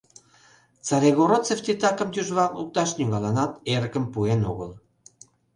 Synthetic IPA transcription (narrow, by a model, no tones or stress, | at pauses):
t͡sɑɾʲeɣoɾot͡seft̪it̪ɑkə̆mt̪yʒβɑuk̚t̪ɑʃnyɣɑlɑnɑt̪eɾə̆kə̆mpuenoɣəl